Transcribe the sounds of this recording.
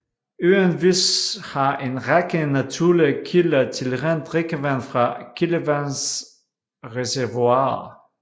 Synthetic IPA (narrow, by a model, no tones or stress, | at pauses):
øːənvishaʔenʁɛkənatʰuləkʰilɐtʰilʁɛndʁekəvɛnfʁakʰiləvɛns | ʁezɛʁvwa